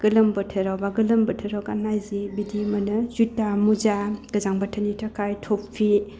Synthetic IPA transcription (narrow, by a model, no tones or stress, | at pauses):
ɡ̥ɯlɐmbɯtʰɯɾawbaɡɯlɯmbətʰɯɾawɡanajzibidimɐnɯzutːamuzaɡ̥ɯzaŋbatʰanitʰakajtʰoppʰi